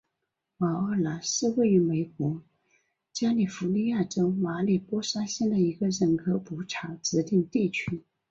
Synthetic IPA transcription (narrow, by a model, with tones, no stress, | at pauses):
wɑ˨˩ə˥˩la˧˥nʂɻ̩˥˧we˥˩ɪy˧˥me˧˥ɪk̚wɔ˧˥ | t͡ɕja˥li˨˩fu˧˥li˥˧ja˥˩ʈ͡ʂo˥ʊma˧˥li˨˩pwɔ˥ʂa˥ɕɛ˥nd̪ə˨i˧˥ɡə˧ɻə˧˥nkʰɤ˧˥pu˧˥ʈ͡ʂʰa˧˥ʈ͡ʂɻ̩˧˥t̪i˥˧ŋt̪i˥˩t͡ɕʰy˥